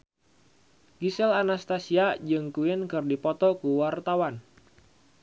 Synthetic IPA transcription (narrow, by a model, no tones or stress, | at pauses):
ɡ̥isɛlanast̪asiad͡ʒɨŋkuɪnkɨrdipɔt̪ɔkuwart̪awan